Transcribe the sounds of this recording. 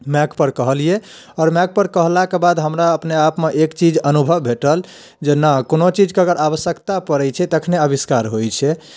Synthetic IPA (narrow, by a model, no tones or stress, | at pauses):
mɛkpəɾkəɦəlie | ɔːɾmɛk̚pəɾkəɦlakebad̪ɦəmɾaəpneapmeʔekt͡ʃid͡ʒənubʱəʋːʱeʈəl | d͡ʒenəkonot͡ʃid͡ʒkəɡəɾaβəsjəkt̪apəɾɛt͡ʃʰɛt̪əkʰneəbiskaɾɦojt͡ʃʰɛ